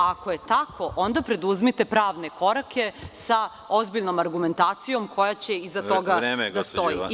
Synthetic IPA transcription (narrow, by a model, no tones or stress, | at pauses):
ako̞je̞t̪akʰo̞ʔo̞nd̪apɾe̞d̪uzmit̪e̞pɾaːʋne̞ko̞ɾakʰe̞sa | ozbiʎnomaɾɡume̞nt̪aːt̪sijo̞mkʰo̞jat͡ɕeizat̪o̞ɡaɡd̪asoji